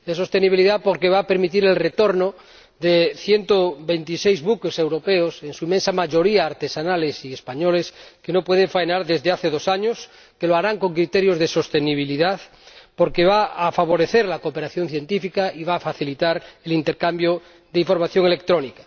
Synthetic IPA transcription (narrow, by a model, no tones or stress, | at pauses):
d̪es̬o̞st̪e̞niβiliðapoɾkeβ̞aːpe̞ɾmit̪̬iɾe̞lre̞t̪o̞ɾno | ðeθje̞nt̪oβe̞nt̪isejzβukese̞wɾo̞peose̞nsuimensamaʝo̞ɾiaːɾt̪e̞sanalesiespaɲo̞le̞skeno̞pwe̞ð̞eɱfajnaɾðe̞zðeaθe̞ðo̞saɲos | ke̞loaɾaŋko̞ŋkɾit̪eɾjo̞zðeso̞st̪e̞niβ̞iliðað | po̞ɾkeβaafaβ̞o̞ɾe̞θeɾlakopeɾaθjo̞n̟θje̞nt̪ifikaiβaːfaθilit̪aɾelint̪eɾkambjo | ðeiɱfo̞ɾmaθjo̞ŋe̞le̞k̚t̪ɾo̞nikḁ